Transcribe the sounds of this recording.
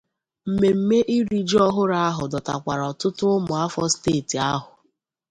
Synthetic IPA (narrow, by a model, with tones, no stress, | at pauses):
m̩˨me˨m̩˦me˦ʔi˦ɾi˨d͡ʒɔ˦ɦʊ˦ɾa˦a˦ɦʊ˨dɔ˨ta̰˨kʷa˨ɾɔ˨tʊ˦tʊ˦ʊ˦mʊ˨a˦fɔ˦steː˦˨ti˨a˦ɦʊ˨